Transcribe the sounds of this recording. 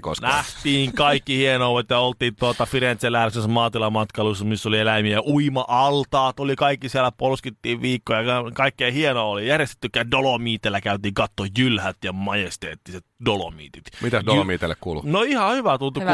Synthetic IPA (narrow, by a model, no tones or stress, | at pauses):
ko̰snæht̪iːŋkɑikːihienoːʋet̪jɑolt̪iːnt̪uot̪ɑfiɾent̪selæːisesmɑːt̪ilɑmɑt̪kɑlusːɑmisːolielæimiæʔuimɑʔɑlt̪ɑːt̪olikɑikːisielˑæpolskit̪ːiːʋʋiːkːojɑɑkɑikːeihienoːolijærjest̪e̥t̪ːykːæːdolomiːt̪elːækæyt̪iːŋkɑt̪ːojylhæt̪jɑmɑjest̪ḛːt̪ːiset̪dolo̰mḭːt̪it̪mit̪æsdolomiːt̪elːḛkkṵːlṵnoihɑhyʋæt̪ult̪uk